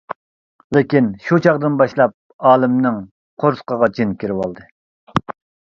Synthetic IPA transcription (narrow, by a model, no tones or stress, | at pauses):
lɪkʲinʃut͡ʃʰɑʁd̪ɨnbɑʃlˠɑp̚ | ɑːlˠɨmnɪŋ | qʰoɾsqəʁɑt͡ʃʰinkʲiɾɪwɑlˠd̪ɨ